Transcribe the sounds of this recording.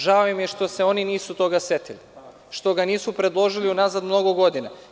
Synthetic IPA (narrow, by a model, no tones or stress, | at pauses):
ʒaoimjeʃt̪o̞se̞o̞niniːsut̪o̞ɡase̞t̪ili | ʃt̪o̞ɡaniːsupɾe̞d̪lˠo̞ʒiliunazad̪mno̞ɡoɡo̞d̪ina